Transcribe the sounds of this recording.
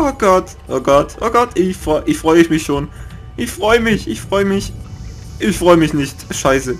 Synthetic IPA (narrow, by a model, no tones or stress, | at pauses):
ʔoːɡ̥ɔt | ʔoːɡɔtʔo̰ːɡ̥ɔtʰɪçfʁɔʔɪçfʁ̥ɔʏəɪçmɪçʃoːn | ʔɪçfʁ̥ɔʏəmɪçʔɪçfʁ̥ɔʏəmɪç | ʔɪçfʁ̥ɔʏəmɪçnɪçtʃaɪsə